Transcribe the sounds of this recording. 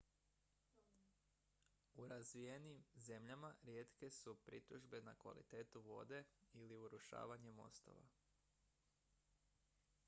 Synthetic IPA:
uɾazʋijenimze̞mʎamaɾjeːt̪ke̞supɾḭt̪uʒbe̞nakʋa̰lḭt̪e̞ːt̪uʋo̞̰ːd̪e̞iliuɾuʃa̰ːʋaɲe̞mo̞̰st̪o̞̰ʋa̰

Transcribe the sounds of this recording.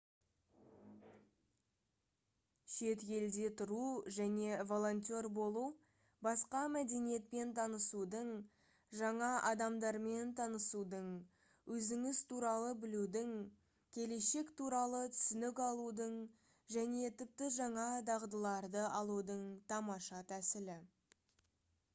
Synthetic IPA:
ʃe̞t̪jʲe̞ld̪e̞t̪ʰʊɾuʒæne̞vo̞lˠo̞nt̪ʲo̞ɾbo̞lˠu | bɑsqɑmæd̪e̞nije̞t̪̚pe̞nt̪ʰɑnəsud̪əɴ | ʒɑɴɑʔɑd̪ɑmd̪ɑɾme̞nt̪ʰɑnəsud̪əɴ | wʔɵzɪŋɪzt̪ʰuɾɑlˠəbɪlud̪ɪŋ | kʲʰe̞le̞ʃe̞kt̪ʰuɾɑlˠət̪ʰʏ̥sʏnɪkɑlˠud̪əɴ | ʒæne̞t̪ʰɪp̚t̪ɪʒɑɴɑd̪ɑʁd̪əlˠɑɾd̪əʔɑlˠud̪əɴt̪ʰɑmɑʃɑt̪ʰæsɪlɪ

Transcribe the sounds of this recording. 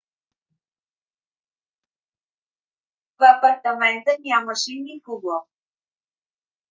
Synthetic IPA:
vapəɾt̪əmɛnt̪ənʲjaməʃinixubɔ

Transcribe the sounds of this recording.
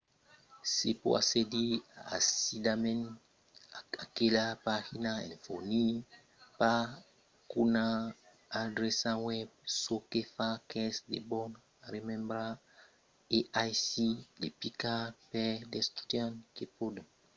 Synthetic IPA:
sepo̰a̰sedia̰sidamɛ̃n | akelapahinaḛ̃nfoni | pa | kunaː | dɾɛsãwɛb̚sokefakɛsdḛbɔn | aɾemɛ̃mbɾa | eʔajsilepikapɛdɛst̪u̥tjãnkepoda

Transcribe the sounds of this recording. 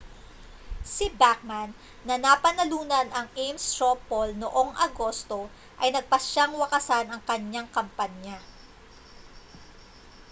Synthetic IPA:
sɪbak̚manː | ɐnapɐnɐluːnɐnɐŋʔejmst̪ɹopːolnoʔo̞ŋʔɐ̰ɡo̞st̪o̞ | ʔɐjnɐɡ̚pɐʃaŋwɐkɐsanɐŋkɐɲːaŋkɐmpaɲja

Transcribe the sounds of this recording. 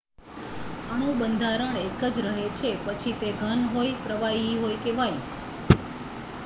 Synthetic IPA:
əɽ̃ũbənd̪ʱaɾəɳekəd͡ʒɾəɦet͡ʃʰepət͡ʃʰit̪eɡʱənɦojpɾəʋaiɦojkeʋaj

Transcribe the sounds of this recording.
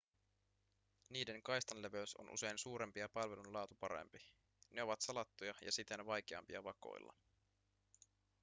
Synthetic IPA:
niːde̞ŋkɑjst̪ɑnleʋøɥso̰nʔṵse̞jnsuːɾe̞mpiɑpɑlʋe̞lunlɑːt̪upɑɾḛmpi | ne̞o̞ʋɑt̪sɑlɑt̪ːujɑjɑ̰sit̪e̞nʋɑjk̟eɑ̰mpiɑʋɑko̞̰j̰lːɑ̰

